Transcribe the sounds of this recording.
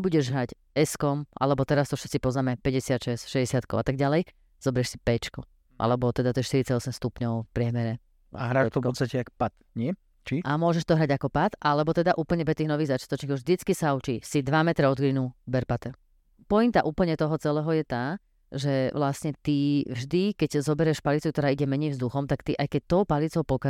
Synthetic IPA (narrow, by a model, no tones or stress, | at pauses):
buɟɛʒɦɾaɟ | ɛskɔmʔa̰lɛbɔt̪ɛɾast̪ɔfʃɛ̥tt͡sipɔznaːmɛpɛɟɛsɪat̪ʃɛsʃɛɟɛsɪat̪kɔʊat̪aɡ̚ɟalɛj | z̥ɔbɛɾɛʃsipɛt͡ʃku | ʔa̰lɛbɔt̪ɛd̪at̪ɔʃt̪iɾit͡saɟɔsɛmst̪upɲɔʊfpɾɪɛmɛɾɛ | aɦɾaːt̪ɔpɔt͡sst̪acɛakpat̪ | ɲɪɛ | t͡ʃiamʊɔʒɛʃt̪ɔɦɾaɟakɔpat̪alɛbɔt̪ɛd̪aʔuːpl̩ɲɛbɛst̪iːɣnɔʋiːɣzat͡ʃɪat̪ɔt͡ʃɲixɔʒd̪it͡skisaut͡ʃisid̪ʋamɛt̪ɾɛɔd̪ɡɾinubɛɾpat̪ɛ | pɔint̪aʔuːpl̩ɲɛt̪ɔɦɔt͡sɛlɛːɦɔjɛt̪aː | ʒɛʋlasɲɛt̪ivʒd̪ikɛɟzɔbɛɾɛʃpalit͡sukt̪ɔɾaːiɟɛmɛɲɛjvzd̪uxɔmt̪akt̪iʔajkɛc̚t̪ɔʊpalit͡sɔʊpɔka